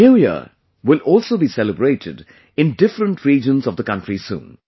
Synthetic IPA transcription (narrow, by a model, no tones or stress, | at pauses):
nuːjə̰ | wɪlɔːlsoːbiːsɛləbɾeːʈʰɪ̰ɖ | ɪ̃nɖɪfɾə̃nʈʰɾiːd͡ʒə̃nzɔvd̪əkʌ̃nʈɾisṵ̃ːn